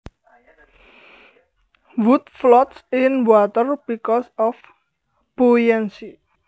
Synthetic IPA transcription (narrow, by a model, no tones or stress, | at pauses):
wut̪̚flɔt̪sɪnbwat̪ərb̥ikɔsɔf | b̥ujɛnsi